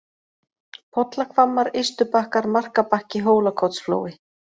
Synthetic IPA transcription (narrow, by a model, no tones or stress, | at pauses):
pʰɔt̪lakʰvamːaɾest̪ʏpahkaɾmar̥kapahcɪɦoːwlakʰɔwt̪sflo̰ːwɪ